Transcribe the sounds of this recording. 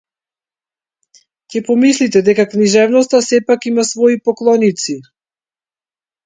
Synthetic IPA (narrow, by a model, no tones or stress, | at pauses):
cɛpɔmislit̪ɛd̪ɛkakniʒɛvnɔst̪asɛpakimasvɔipɔklˠɔnit̪si